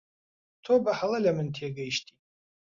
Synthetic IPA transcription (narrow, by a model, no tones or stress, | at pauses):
tʰobaħalalamɨntʰeɡajʃtʰi